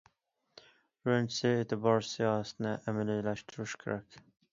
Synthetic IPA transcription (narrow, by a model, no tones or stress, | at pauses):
ɾɵnsɪet̪ʰɪbɒɾsijɒhasɪnɪʔæmalilaʃt̪ʰʊɾɪʃkʲʰḛɾakʲ